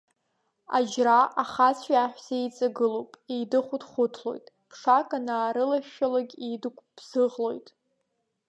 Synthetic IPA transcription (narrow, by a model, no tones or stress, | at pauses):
a̰d͡ʒraʔaχat͡sʷʰaaħʷᶣz̥at͡sʼaɡɨlowpʼejdɨχʷʊdχʷʊtʰlo̞̰jtʼ | pʰʂakʼanaːɾɨlaʃᶣalaɡʲedɨkʷʰʼb̥z̥ɨʁlo̞jtʼ